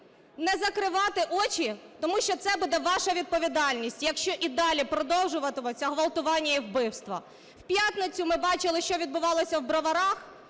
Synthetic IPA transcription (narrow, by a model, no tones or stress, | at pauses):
nɛzɐkɾɪʋɑt̪ɪʔɔt͡ʃit̪ɔmuʃt͡ʃɔt̪sɛbud̪ɛʋɑʃɐʋʲid̪̚pɔʋʲid̪ɑlʲnʲisʲtʲjɐkʃt͡ʃɔʔid̪ɑlʲipɾɔd̪ɔwʒʊʋɐt̪ɪmɔt͡sʲːɐɦʋɐlˠt̪ʊʋɑnʲːɐiwbɪwst̪ʋɐ | w̥pʲjat̪nɪt͡sʲʊmɪbɑt͡ʃɪlˠɪʃt͡ʃɔʋʲid̪̚bʊʋɑlˠɔsʲɐwbɾɐʋɐɾɑx